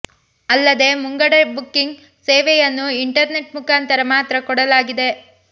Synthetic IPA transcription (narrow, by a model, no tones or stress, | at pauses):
ɐlːɐd̪e̞muŋɡɐɽɐbukːiŋɡ | seːʋɛjɐnːuiɳʈɐɾne̞ʈ̚mukʰaːnt̪ɐɾɐmaːt̪ɾɐkɔɽɐlaːɡid̪e̞